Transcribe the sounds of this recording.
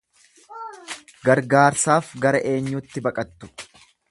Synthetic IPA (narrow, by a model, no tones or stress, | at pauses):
ɡɐɾɡaːɾsaːfɡɐɾɐʔe̞ːɲːʊt̪ːɪbɐkʼɐt̪ːʊ̥